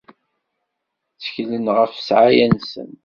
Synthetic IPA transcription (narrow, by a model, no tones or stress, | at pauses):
t͡sːə̥çlənʁəfsʕajænsə̰n